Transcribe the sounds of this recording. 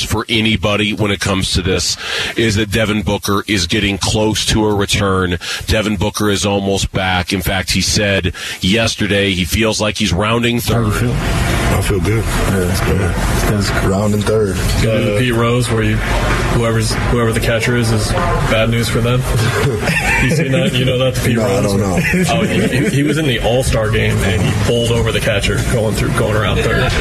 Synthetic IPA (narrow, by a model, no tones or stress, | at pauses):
fə˞ʔɛnibɑɾiwə̃ñɨt̚kʰʌ̃mz̥tʰɨðɪsɪzðɨt̚d̥ɛvɨ̃nbʊkə˞ʔɪzɡɛɾɪ̃ŋkʰl̥oʊstʰəəɹɨtʰɜ̃˞nd̥ɛvɨ̃n̩bʊkə˞ɨzɔlˠmoʊs̚b̥ækɨ̃nfæk̚t̚hisɛdjɛstə˞ɾeɪifilˠzlaɪkhizɹãʊ̃ndɪ̃ŋθɜ˞d | aɪfilˠɡʊd̥̚æsɡ̥ʊɪzɹãʊ̃ndɨ̃nθɜ˞d̥ | ɡɨðɨpʰiʔ̚ɹoʊzwə˞jɨ | huɛvə˞z̥ | huɛvə˞ðɨkʰæt͡ʃə˞ɪzɨz̥ | b̥ædⁿnʉz̥fə˞ðɨ̃m | jɨsinɨjɨnoʊðætspʰinoɹoʊaɪɾõʊnːoʊoihhiwʌzɨ̃nðiʔɔlˠstɑɹɡẽɪ̃mɨ̰̃nipʰʊlˠdoʊvə˞ðɨkʰæt͡ʃə˞ɡ̥ɔʊɪ̃ŋθɹʉ̰ɡoʊɪ̃ŋə˞ãʊ̃nθə̰˞d